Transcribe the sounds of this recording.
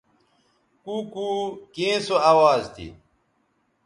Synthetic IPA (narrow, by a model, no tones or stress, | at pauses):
kukuːkẽːsoawaːzt̪ʰḭ